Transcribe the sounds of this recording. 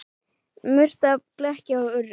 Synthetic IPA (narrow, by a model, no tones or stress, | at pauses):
mʏr̥t̪aplɛhcaaʏrːɪ